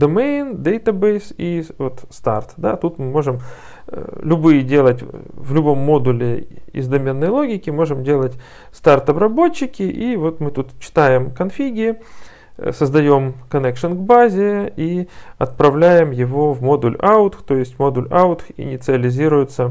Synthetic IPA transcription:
d̪omejnd̪ejt̪ɐbejsivo̞t̪st̪a̰rt̪d̪at̪ut̪mɨmo̞ʐɨm̰ | lʲʊbɨjɪdʲe̞lˠətʲvlʲʊbo̞mːo̞d̪ʊlʲɪ̰ɪ̰zd̪ɐmʲe̞nːəjlˠo̞ɡʲɪkʲɪmo̞ʐɨmdʲe̞lˠətʲ | st̪art̪ɐbɾɐbo̞t͡ɕːɪkʲɪʔivo̞t̪mɨt̪ut̪t͡ɕːɪ̥t̪ajɪmkɐnfʲiɡʲɪ | səzd̪ɐjo̞mkɐnʲɛkʂɨnɡbazʲɪiɐt̪̚pɾɐvlʲæjɪmjɪvo̞vmo̞d̪ʊlʲaʊt̪xt̪o̞jɪsʲtʲmo̞d̪ʊlʲaʊt̪xɪ̰nʲɪt̪sɨɐlʲɪzʲiɾʊjʊt̪sə

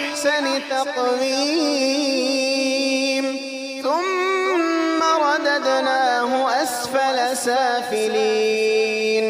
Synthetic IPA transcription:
sanɪt̪ɑqwiː | m | θʊmː | aɾˤɑd̪ad̪naːɦʊʔasfalasaːfɪliː | n

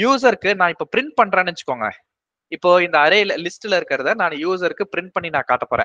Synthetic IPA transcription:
juːsɐɾɯkːɯnãːɪpːoːpɪɾɪɳʈ̚pɐɳːɾẽːnɛɲt͡ʃɯ̥kːoːŋɡɐ̰ | ɪpːoːɪnd̪ɐːɾeːllɪsʈɯlɪɾɯkːɐɾɐðɐnãːnjuːs̬ɐɾɯkːɯpɪɾɪɳʈ̚pɐɳːinãːkaːʈːɐpoːɾḛ̃ː

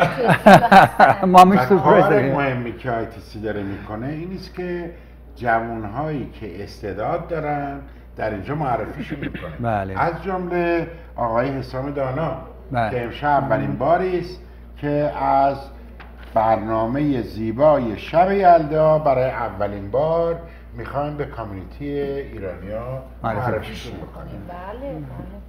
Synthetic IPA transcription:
mmiæuɾemohemːiːcʰeɒjt̪ʰesid̪ɒːɾemiːkʰone̞iːniːscʰe | d͡ʒævunɦɒːjiːcʰe̞ʔest̪ed̪ɒːd̪̚ːɒːɾænd̪ | d̪̥æɾind͡ʒɒːmoærːefiːʃunikʰonealeʔæzd͡ʒomle̞ | ɒːɣɒːjeɦesɒːme̞d̪ɒːnɒ | eːmʃæbːælinbɒːɾiːst̪ | cʰe̞æz | bæɾnɒːme̞jeziːbɒːje̞ʃæbejæld̪ɒːbæɾɒːjeʔævːælinbɒːɾ | mixɒːjimbe̞kʰomunit̪ʰieiːɾɒːnijɒː | moærːefiːʃunbekʰo̰nḭml

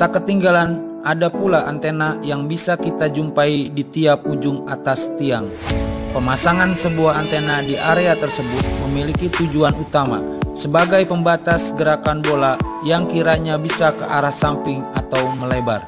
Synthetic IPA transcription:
t̪akət̪ːiŋɡalan | ʔadapulaʔant̪enajaŋbisakit̪ad͡ʒumpaidit̪iap̚ud͡ʒʊŋat̪ast̪iaŋ | pəmasaŋansəbuahant̪enadiʔaɾeat̪ərsəbʊt̪̚məmilikit̪ud͡ʒuanut̪ama̰səbaɡajpəmbat̪asɡəɾakanbola | jaŋkiɾaɲabisakəʔaɾahsampɪŋat̪awməlebar

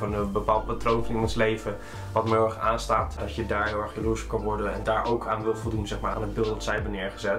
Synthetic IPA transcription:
ənənbəpaːl̚ˠpatrownfɔnɪnɔnslejvə | ʋɑtmɪɛχaːnstaːtd̥ɑtjədaːɹɦɪlˠɛχbəlusəkɑnʋɔɹdənɛndaːɹowkʰaːnʋɪlˠvɔlˠdunzɛχmaːɹa̰nəbɪlˠtsɛjbənɪːɹχəzɛt

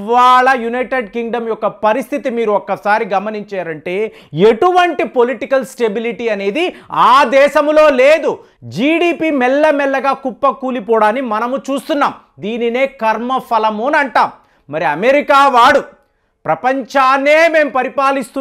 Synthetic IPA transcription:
ʋaːɭɐjunɐjʈeɖkiŋɡɖɐmjɔkːɐpɐɾist̪ʰit̪imiːɾuɔkːɐsaːɾiɡɐmɐniɲt͡ʃaːɾɐɳʈe̞ː | e̞ʈuʋɐɳʈipo̞liʈikɐlsʈe̞biliʈiːɐne̞ːd̪iaːd̪ɛːʃɐmloːle̞ːd̪u | d͡ʒiːɖiːpiːmɛlːɐmɛlːɐɡaːkupːɐkuːlipɔːɽaːnimɐnɐmut͡ʃuːst̪unːaːm | d̪iːnine̞ːkɐɾmɐpʰɐlɐmuːnɐɳʈaːm | mɐɾiɐmeɾikaːʋaːɽu | pɾɐpɐɲt͡ʃaːneːme̞ːmpɐɾipaːlist̪u

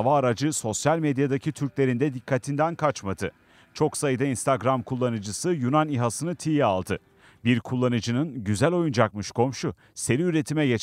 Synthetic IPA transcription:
vaːɾad͡ʒɯso̞sjalʲmed̪jad̪acʰit̪ʰyɾcʲlʲe̞ɾind̪ɛd̪ikʰːat̪ʰind̪ænkʰat͡ʃmad̪ɯ | t͡ʃʰo̞ksajɯd̪ainst̪ʰaɡɾamkʰulˠːanɯd͡ʒɯsɯjunaniɦasɯnɯt̪ʰijalˠd̪ɯ | biɾkʰulˠːanɯd͡ʒɯnɯnɟyzælʲo̞jund͡ʒakmɯʃkʰo̞mʃu | se̞ɾiyɾe̞t̪ʰimɛjet͡ʃ

